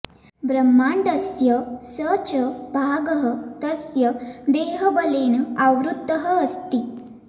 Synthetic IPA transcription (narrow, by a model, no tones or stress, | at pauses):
bɾəmːaɳɖəsjəsət͡ɕəbʱaɡəɦət̪əsjəd̪eːɦəbəleːnaʋɾud̪ːəɦəːst̪i